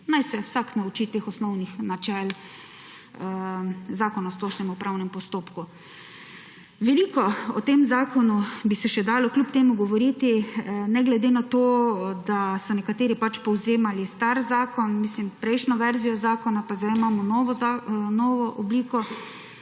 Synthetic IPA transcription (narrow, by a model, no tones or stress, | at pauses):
najsɛwsaknaut͡ʃit̪exɔsnɔwnixnat͡ʃɛl | zaːkɔnast̪oʃnɛmɔpɾawnɛmpɔst̪oːpku | ʋɛliːkɔɔ̰t̪eːmzaːkɔnubisɛʃɛd̪aːlɔklʲupt̪eːmuɡɔʋɔɾiːt̪inɛɡlɛd̪eːnat̪oːd̪asɔnɛkat̪eːɾipat͡ʃpɔwzeːmalist̪aɾzaːkɔnmislimpɾɛjʃnɔʋɛɾzijɔzaːkɔnapazamaːmɔnɔʋɔanɔːʋɔʔɔbliːkɔ